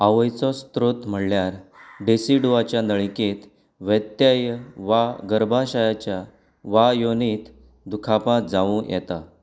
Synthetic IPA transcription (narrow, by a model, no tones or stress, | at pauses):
aʋəjt͡sɔst̪ɾot̪m̤əɽljaɾɖesiɖuʋat͡ɕjanəɭket̪ | ʋət̪jajʋaɡəɾbʱaɕajat͡ɕja | ʋajonit̪ | d̪ukʰapãt̪̚d͡zaʋũjɛ̰t̪a